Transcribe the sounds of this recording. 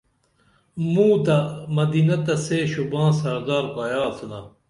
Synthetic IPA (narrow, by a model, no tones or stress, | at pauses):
mũːt̪ɐmɐd̪iːnɐt̪ɐseɕubãːsɐɾd̪aːɾkajaːt̪ʰuna